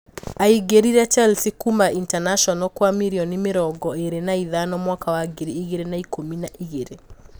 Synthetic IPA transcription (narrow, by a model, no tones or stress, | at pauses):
aiɡeɾiɾɛt͡ʃɛlsikumaʔintanaʃɔnɔkwamiɾiɔnimeɾɔɡɔeɾenaiðanɔmwakawaɡeɾiiɣeɾenaikominaʔiɣeɾe